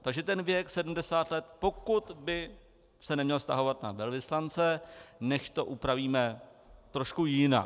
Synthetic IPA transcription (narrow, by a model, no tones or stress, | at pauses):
t̪aɡʒɛt̪ɛnvjɛksɛdm̩dɛsaːt̪lɛt̪po̞kut̪bɪ | sɛnɛmɲɛlst̪aɦo̞vat̪navɛlvɪslant͡sɛnɛʃt̪o̞ʔupɾaviːmɛt̪ɾoʃkujɪna̰